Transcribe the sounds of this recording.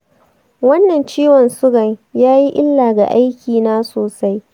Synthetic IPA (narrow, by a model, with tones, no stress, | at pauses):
wɐ˦nːɐ˨nt͡ʃiː˦wɐ˨nsʊ˦ɡɐ˨ɲjaː˦ji˦ʔɪ˦lːaː˨ɡa̰˨ʔa˦jkʲʰiː˨naː˦soː˨sa˦j